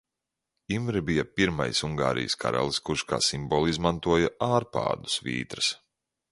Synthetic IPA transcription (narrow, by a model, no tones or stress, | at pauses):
imɾibijapiɾma̰jsuŋɡa̰ːɾʔḭjskʰa̰ɾa̰lˠskuɾʃka̰ːsimbɔlˠizmant̪uɔjaʔaːɾpa̰ːd̪u̥svḭːt̪ɾɨs